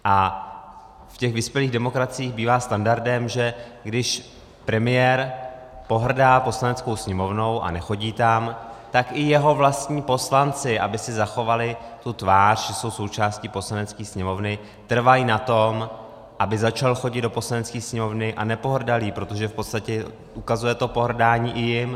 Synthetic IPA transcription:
ʔa | fcɛɣvɪspjɛliːɣdɛmo̞kɾat͡sɪiːɣbiːvaːst̪andaɾdɛmʒɛɡdɪʃ | pɾɛmɪjɛɾ | po̞ɦr̩daːpo̞slanɛt͡sko̞wsɲɛmo̞vno̞wʔa̰nɛxo̞ɟiːt̪amt̪akʔɪjɛɦo̞vlast̪ɲiːpo̞slant͡sɪʔabɪsɪzaxo̞valɪt̪ut̪vaːr̥ʒɛso̞wso̞wt͡ʃaːscipo̞slanɛt͡skiːsɲɛmo̞vnɪ | t̪r̩vajinat̪o̞m | ʔabɪzat͡ʃalxo̞ɟɪd̪do̞po̞slanɛt͡skiːsɲɛmo̞vnɪʔanɛpo̞ɦr̩daliːpɾo̞t̪o̞ʒɛfpo̞t̪st̪acɛ | ʔukazujɛt̪o̞po̞ɦr̩daːɲiːʔɪjɪm

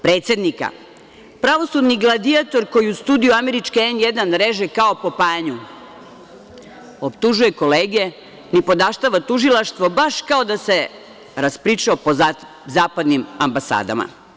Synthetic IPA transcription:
pɾe̞ːt̪se̞d̪nika̰ | pɾaʋo̞sud̪niɡlˠad̪iat̪o̞ɾko̞jiust̪uːd̪ijuame̞ɾit͡ʃkeenjed̪anɾe̞ʒekao̞po̞paːɲu | o̞pt̪uʒuje̞ko̞leːɡie | nipo̞d̪aʃt̪aʋat̪uʒilˠaʃt̪ʋo̞baʃkao̞d̪ase̞ | ɾaspɾiːt͡ʃaopo | zaːpad̪nimambasa̰ːd̪a̰ma̰

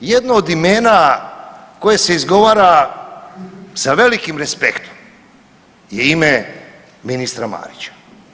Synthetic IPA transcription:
jed̪noːd̪ime̞ːna | ko̞jese̞izɡo̞ʋaːɾa | saʋe̞likimɾespekt̪ʰom | jeime | minist̪ɾama̰ːɾit͡ɕḁ

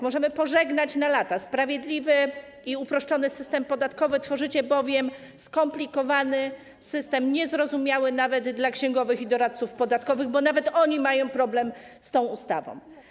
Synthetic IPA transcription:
mɔʐɛmɘpɔʐɛɡnat͡ɕnalat̪aspɾavʲjɛd̪lʲivɘ | iupɾɔʂt͡ʂɔnɘsɘst̪ɛmpɔd̪at̪kɔvɘt̪fɔʐɘt͡ɕɛbɔvʲjɛm | skɔmplʲikɔvanɘ | sɘst̪ɛmɲɛzɾɔzumʲjawɘnavɛd̪d̪lakɕɛŋɡɔvɘxid̪ɔɾat̪̚sufpɔd̪at̪kɔvɘɣbɔnavɛt̪ɔɲimajɔ̃w̃pɾɔblɛm | st̪ɔ̃w̃ust̪a̰vɔ̰̃w̃

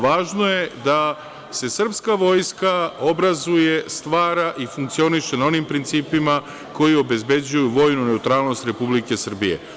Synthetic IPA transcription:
ʋaːʒno̞je̞d̪a | se̞sr̩pskaʋo̞ːjskao̞bɾazuje̞st̪ʋaːɾaʔifuŋk̚t̪sio̞niʃe̞nao̞nimpɾint̪siːpima | ko̞jio̞be̞zbe̞d͡ʑujuʋo̞jnune̞ut̪ɾaːlˠno̞st̪ɾe̞publike̞sr̩bije̞̰

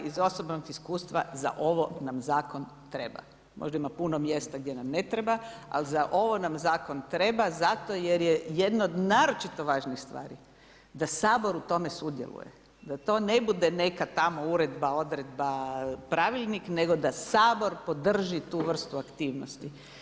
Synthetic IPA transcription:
izo̞so̞bnoɡiskuːst̪ʋa̰za̰ʔo̞ʋo̞namzaːko̞n | t̪ɾe̞ba̰ | mʔoʒd̪aimapunomje̞st̪aɡd̪ʲjenamne̞t̪ɾebaa̰lizaʔo̞ʋo̞namzaːko̞nt̪ɾe̞bazat̪o̞jeɾjeje̞d̪nood̪naːɾo̞t͡ʃit̪o̞ʋaːʒnixst̪ʋa̰ːɾḭ | d̪asaːbo̞ɾut̪o̞me̞sud̪jḛlˠṵjḛ | d̪at̪o̞ːne̞bud̪e̞ne̞kat̪amo̞uɾe̞d̪bao̞d̪ɾe̞d̪bapɾaʋiʎnikne̞ɡo̞d̪asaːbo̞ɾpo̞d̪r̩ʒit̪uʋr̩st̪uakt̪iːʋnost̪i

